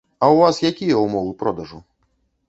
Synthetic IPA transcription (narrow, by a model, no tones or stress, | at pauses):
ɐwvasjakʲijɐwmɔvɨpɾɔd̪ɐʐu